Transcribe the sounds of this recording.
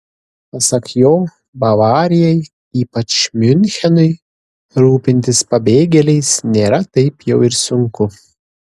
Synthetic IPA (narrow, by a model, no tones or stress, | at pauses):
pɐsɐkʲjoː | bɐʋɑːɾʲɪjɛj | iːpɐt͡ʃmʲʏnʲxʲɛnʊɪ | ɾuːpʲɪnʲt̪ʲɪspɐbʲeːɡʲɛlʲɛɪsnʲeːɾɐt̪ɐɪpjɛʊɪɾsʊŋkʊ